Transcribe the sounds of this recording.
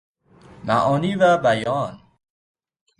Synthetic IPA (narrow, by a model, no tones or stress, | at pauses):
mæ̰ʔɒːniːvæbæjɒːn